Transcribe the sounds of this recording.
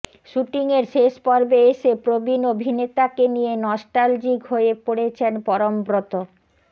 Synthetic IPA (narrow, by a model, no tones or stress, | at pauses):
ʃuʈiŋeɾʃeʃpɔɾbeeʃepɾobinobʱinet̪akenijenɔsʈald͡ʑiɡʱoepoɽet͡ɕʰenpɔɾombɾot̪o